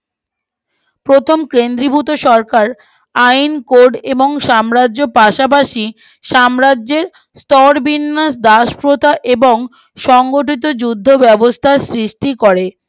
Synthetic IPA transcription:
pɾot̪ʰomkɾend̪ɾibut̪oʃɔɾkaɾ | ajnkoɾɖeboŋʃamɾadʑopaʃap̬aʃi | ʃamɾadːʑeɾ | st̪ɔɾbinːasd̪aʃpɾot̪ʰaʔeboŋ | ʃɔŋɡoʈit̪̬od͡ʑud̪ʱːobɛbost̪ʰasɾiʃʈikoɾe

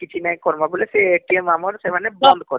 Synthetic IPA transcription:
kit͡ʃʰinaj̃kɔɾmabuleseʈiemamɔɾsemanɛbɔnd̪kɔɾ

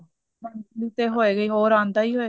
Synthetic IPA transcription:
mənsliːt̪eːɦoːeːɡəiːɦoːɾãːnd̪aːiːɦoe

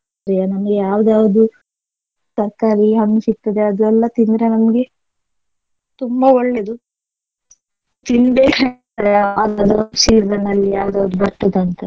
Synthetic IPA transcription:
ɾijanɐmɐɡejaːʋd̪aːʋɐd̪u | sɐɾkaːɾiɦɐɳːusik̚t̪ɐd̪eɐd̪uɛlːɐt̪ind̪ɾenɐmɐɡe̞ | t̪umbɐɔɭːed̪u | t̪ind̪eɐ | ɾeɐd̪ɐd̪ɐɾɐsiːɾd̪ɐnɐlːijaːʋd̪aːʋd̪ubɐɾt̪ːɐd̪ɐnt̪ɐ

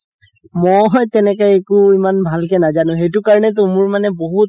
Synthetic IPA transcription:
mojtɛnɛkɔjekʊimanbʱalkɛnazanʊ̃xejtʊkaɹɔnɛt̬ʊmʊɹmanɛboɦut̚

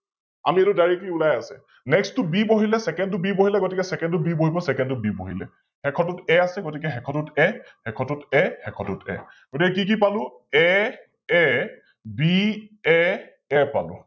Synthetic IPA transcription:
a̰mielʊdaɹikiulajasɛ̰ | nɛkstʊbiboɦilɛsɛkɛnt̬ʊbiboɦilɛɡotikɛsɛkɛntʊbiboɦibɔsɛkɛntʊbibo̰ɦḭlɛ̰ | hɛkʰɔtutɛasɛɡotikɛxɛkʰɔtutɛhɛkʰɔtutɛhɛkʰɔtutɛ̰ | ɡ̥otikɛkik̬ipalʊ̃ | ɛ | ɛ | biɛ | ɛpa̰lʊ̰̃

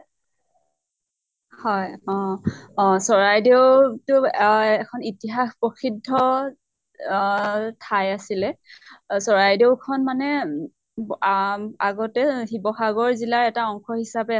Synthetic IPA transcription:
hɔjɔ̃ɔ̃sɔɹajdewtʊɛkʰɔnitiɦaxpɹɔkʰidʱːɔ | tʰajasilɛ | sɔɹajdewkʰɔnmanɛ | aɡɔtɛhibɔxaɡɔɹzilaɹɛtaɔŋxɔhisabɛ

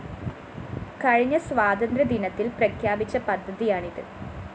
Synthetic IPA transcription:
kɐɻiɲːɐsʋaːd̪ɐnd̪ɾɐd̪inɐt̪ːilprɐkʰjaːbit͡ɕːɐpɐd̪ʱːɐðijaːɳiðɨ̰

